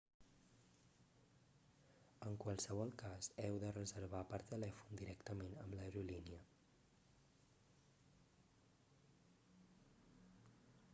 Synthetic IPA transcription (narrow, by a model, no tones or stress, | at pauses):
əŋkwəlˠsəβ̞ɔlˠkazɛwðərəzəɾβapəɾt̪əlɛfund̪iɾɛkt̪əmenəmləɾuliniə